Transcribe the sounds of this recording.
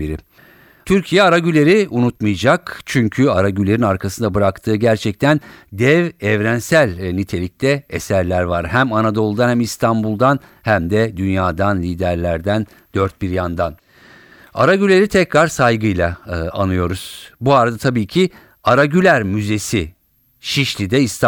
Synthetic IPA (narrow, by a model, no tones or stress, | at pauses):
biɾi | t̪ʰyɾcʰijɛaɾaɟylʲe̞ɾiunut̪mɯjad͡ʒakt͡ʃʰyɲcʰyaɾaɟylʲe̞ɾinaɾkʰasɯnd̪abɯɾakt̪ʰɯːɟæɾt͡ʃʰɛc̚t̪ʰænd̪ɛvɛvɾænsælʲnit̪ʰe̞lʲic̚t̪ʰɛesæɾlʲæɾvaɾhæmanad̪olˠd̪anhæmist̪ʰanbulˠd̪an | hæmd̪ɛd̪ynjaːd̪anlʲiːd̪æɾlʲæɾd̪æn | d̪̥øɾt̪̚biɾjand̪an | a̰ɾaɟylʲeɾit̪ʰɛcɾaɾsajɡɯjlˠaa̰nɯjo̞ɾuz̥buaɾad̪at̪ʰabiːcʰi | aɾaɟylʲæɾmyze̞si | ʃiʃlʲid̪ɛist̪ʰ